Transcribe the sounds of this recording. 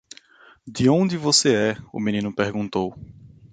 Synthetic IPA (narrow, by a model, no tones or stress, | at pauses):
d̪ɪõd̪ɪvoseɛʊ̰mĩnĩnʊpeɾɡũt̪ow